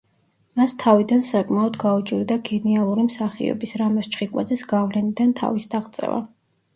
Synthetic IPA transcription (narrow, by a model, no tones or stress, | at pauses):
mast̪ʰavid̪ansakʼmaɔd̪ɡaut͡ʃʼiɾd̪aɡɛnialˠuɾimsaχḭɔ̰bisɾamɔst͡ʃʰχikʼwa̰d̪zɛsɡavlɛnid̪ant̪ʰa̰visd̪aʁt̪sʼɛ̰va̰